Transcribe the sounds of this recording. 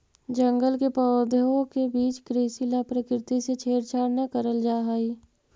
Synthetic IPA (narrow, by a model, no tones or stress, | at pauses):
d͡ʒə̃ŋɡəlkepɔːd̪ʱõkebiːt͡ʃkɾeːsilapɾəkɾɪt̪iset͡ʃʰeːɾt͡ʃʰaːɾnakəɾəld͡ʒaːɦaiː